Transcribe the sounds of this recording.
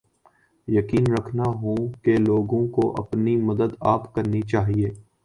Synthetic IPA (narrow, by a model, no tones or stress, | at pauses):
jɐkiːnɾɐkʰnaɦũkeloːɡõkoʔɐ̰pnimɐd̪əd̪aːpkɐɾnit͡ʃaːɦieː